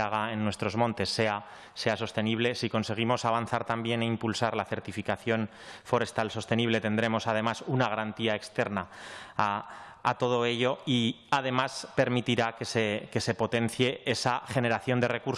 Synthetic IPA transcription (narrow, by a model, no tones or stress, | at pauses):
aɣ̞aenːwest̪ɾo̞zmõ̞nt̪e̞sːe̞a | se̞aso̞st̪e̞niβ̞lesiko̞nse̞ɣ̞imo̞saβan̟θaɾt̪ambje̞ne̞impulsaɾlaθe̞ɾt̪ifikaθjo̞n | fo̞ɾe̞st̪also̞st̪e̞niβ̞le̞t̪e̞nd̪ɾe̞mo̞sað̞e̞masunaɣaɾant̪iae̞kst̪e̞ɾnaa̰ː | t̪o̞ð̞o̞e̞ʎo̞i | aðe̞maspe̞ɾmit̪iɾakeseke̞se̞po̞t̪e̞n̟θje̞esaxe̞ne̞ɾaθjond̪e̞re̞kuɾ